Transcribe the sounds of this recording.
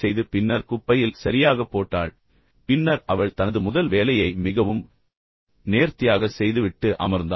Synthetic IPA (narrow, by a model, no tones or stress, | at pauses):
sɛjðɯpɪnːɐɾkʊpːɐjɪlsɐɾɪjaːɣɐpːoːʈːa̰ːɭ | pɪnːɐɾɐʋɐɭt̪ɐnɐðɯmʊðɐlʋeːlɐjɐɪmɪɣɐʋɯm | neːɾt̪ɪjaːɣɐsɛjðɯʋɪʈːɯʔɐ̰mɐɾnd̪a